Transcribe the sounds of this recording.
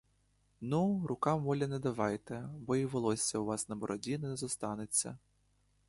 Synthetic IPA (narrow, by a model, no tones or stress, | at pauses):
nurʊkɑmʋɔlʲɐnɛd̪ɐʋɑjt̪ɛbɔiʋɔlˠɔsʲːɐuʋɑsnɐbɔɾʔɔdʲinɛnɛzɔst̪ɑnɪt͡sʲːɐ̰